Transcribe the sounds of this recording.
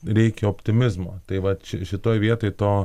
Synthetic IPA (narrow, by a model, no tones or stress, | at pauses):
ɾʲɛɪkʲɪɔpʲt̪ʲɪmʲɪzmot̪ɐɪʋɐt̪ʃɪʃɪt̪oːjʋʲiɛt̪ojt̪ɑː